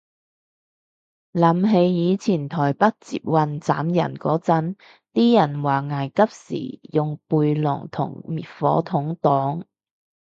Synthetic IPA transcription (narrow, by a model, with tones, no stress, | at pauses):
lɐ˨˥mɦe˨˧jjiː˨˧t͡sʰiː˨˩nt̪ʰɔː˨˩jpɐ˥t̚t͡sḭː˧p̚wɐ˨˧nt͡saː˨˥mjɐ̰˨˩nkɔː˨˥t͡sɐ˥n | t̪iː˥jɐ˨˩nwaː˨˩ŋaː˨˩jkɐ˥p̚sḭː˨˩jʊ˨ŋpuː˧jlɔ̰ː˨˩ŋt̪ʰʊ̰˨˩ŋmiː˨˩t̚fɔ̰ː˨˥t̪ʰʊ˨˥ŋt̪ɔː˨˥ŋ